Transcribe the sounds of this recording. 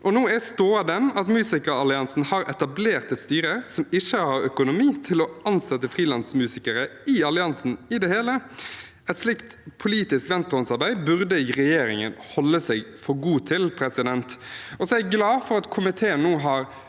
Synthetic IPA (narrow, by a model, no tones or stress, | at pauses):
ʔɔnuːæst̪oːɑd̪ɛnɑt̪mʉːsɪkəɾɑlɪɑnsn̩hɑɾɛt̪ɑbleːʁt̪əst̪yːɾəɾsɔmɪçəhɑɾœkʊnʊmiːt̪ʰɪlɔɑnsɛt̪ːəfʁiːlɑnsmʉːsɪkəɾəɪɑlɪɑnsn̩ɪd̪ɛheːlə | ɛt̪slɪkt̪pʰʊliːt̪ɪskʋɛnst̪ɾɔnsɑʁbæɪbʉʁd̪əɪʁɛjeːɾɪŋə̰nhɔlːəsɛɡfɔɾɡuːt̪ʰɪlpʰɾɛsɪd̪ɛnt̪ɔsɔæɡlɑːfɔɾɑt̪kʰʊmɪt̪ʰeːənnːoːɦɑɾ